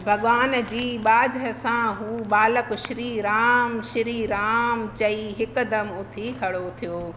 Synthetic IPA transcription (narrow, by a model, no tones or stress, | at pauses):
bʱɐɠʋaːnd͡ʑiːɓaːd͡ʑɦəsãɦuːɓaːləkʊʃɪɾiːɾaːmʃɪɾiɾaːmt͡ɕɐiɦɪkd̪ɐmʊt̪ʰikʰɐɽot̪ʰijoː